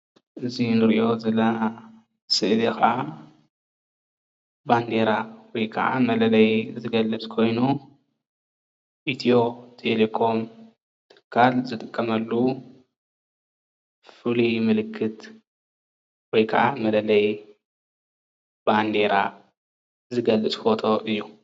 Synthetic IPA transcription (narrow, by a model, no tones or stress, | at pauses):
ʔɨzinɨɾʔo̞zɐla | sɨʔd̪ixɐa | band̪eɾawɔjkʰɐ̰ʔa̰mɐlɐlɐjzɨɡɐlːɨt͡skʰo̞jnu | ʔit̪ʰo̞t̪ʰelekʰo̞m | t̪ʰɨ̥kʰːalzɨt̪ʼɨkʼːɐmɐlːu | fɨlimɨlɨkʰːɨt̪ | wɔjkʰɐ̰ʔamɐlɐlɐj | band̪e̞ɾa | zɨɡɐlːɨt͡sʼfot̪ʰo̞ʔɨjːu